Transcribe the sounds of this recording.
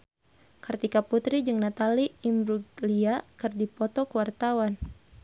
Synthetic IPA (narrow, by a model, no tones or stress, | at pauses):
kɨrt̪ikaput̪ɾid͡ʒɨŋnat̪aliːmbɾuɡliakɨrdipɔt̪ɔkəwart̪awan